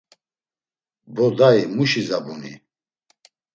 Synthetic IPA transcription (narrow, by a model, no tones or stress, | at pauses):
bɔd̪aimuʃizabunḭ